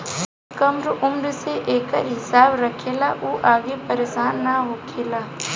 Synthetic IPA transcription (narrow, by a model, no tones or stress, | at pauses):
kɐmɾʊmɾseʔeːkəɾɦɪsaːbɾɐkʰeːlaʔuːʔaːɡepəɾeːʃaːnːaɦoːkʰeːlaː